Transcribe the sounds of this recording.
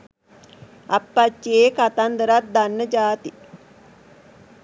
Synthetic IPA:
ɐpːɐt͡ʃːeːkat̪and̪əɾat̪̚d̪anːəd͡ʒaːt̪i

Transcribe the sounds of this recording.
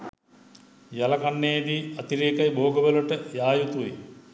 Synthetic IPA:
jalɐkanːejəɖiːɐt̪iɾeːkajbʱoːɡəʋələʈəjaːjut̪uʋḛ

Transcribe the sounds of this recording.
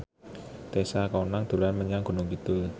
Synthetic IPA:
t̪esakɔnaŋd̪̥ṳlanməɲaŋɡ̥o̤nʊŋɡit̪u

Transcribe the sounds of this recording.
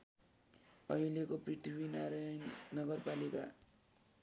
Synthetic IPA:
ʌilekoprit̪ʰibinaɾanʌɡʌrpalika̰

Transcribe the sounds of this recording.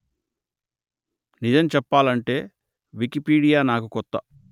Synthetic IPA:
nid͡ʒɐmt͡ʃɛpːaːlɐɳʈe̞ː | ʋikipiːɽijaːnaːkukɔt̪ːɐ

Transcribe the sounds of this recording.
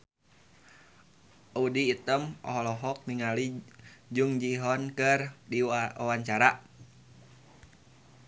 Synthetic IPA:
udiːt̪əmɔ̰ɦɔlɔɦɔk̚miŋalid͡ʒuŋd͡ʒiɦɔnkɨrdiawaɲt͡ʃaɾa

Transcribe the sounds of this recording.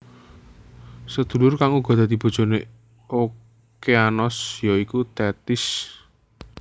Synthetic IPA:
səd̪̥ṳlʊrkaŋuɡ̥ɔ̤d̪ad̪̥i̤b̥o̤̥d͡ʒ̥o̤ne | o | keanɔsjɔikut̪ɛt̪ɪs

